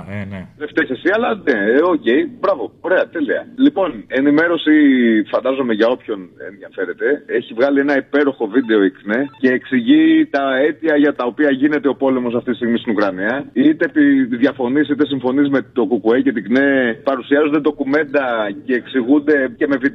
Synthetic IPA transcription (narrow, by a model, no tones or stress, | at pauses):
neft̪eçesiɐlɐneoce̞ibɾɐvo̞o̞ɾe̞ɐt̪e̞liɐ̰lipo̞ne̞nime̞ɾo̞sifɐnd̪ɐzo̞meʝɐo̞pço̞nḛnðiɐfe̞ɾe̞t̪e̞e̞çivɣɐlie̞nɐipe̞ɾo̞xo̞vid̪e̞o̞ikne̞ce̞ːksiʝit̪ɐe̞t̪iɐʝɐt̪ɐo̞piɐʝine̞t̪e̞opo̞le̞mo̞s̬ɐft̪it̪ist̪ɣmist̪inukɾɐniɐit̪epiðʝɐfo̞nisit̪e̞siɱfo̞nizmet̪o̞kukuece̞t̪iɡne̞pɐɾusiɐzond̪ed̪o̞kume̞nd̪ɐce̞ːksiɣund̪e̞ce̞me̞vid̪